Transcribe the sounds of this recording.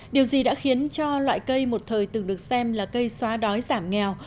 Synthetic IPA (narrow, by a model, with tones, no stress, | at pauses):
ɗi˨˩əwzi˨˩ɗa̰ː˧˥xi˨˦ənt͡ɕɔ˧lwa̰ː˧˨jkə˧jmo˨˩t̚t̪ʰəː˨˩jt̪ɨ˨˩ŋɗɨ˨˩ək̚sɛ˧mlaː˨˩kə˧jswaː˨˦ɗɔ˨˦jzaː˧˩mŋɛ˨˩w